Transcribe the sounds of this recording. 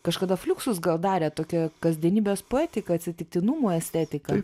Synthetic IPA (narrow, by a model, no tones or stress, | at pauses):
kɐʃkɐd̪ɐfʲlʲuːksʊsɡɐlˠd̪ɑːɾʲeːt̪oːkʲɛkɐzʲd̪ʲiɛnʲiːbʲeːspoæːt̪ʲɪkɐɐt̪ʲsʲɪt̪ʲɪk̚t̪ʲɪnumoːɛsʲt̪ʲæːt̪ʲɪkɐ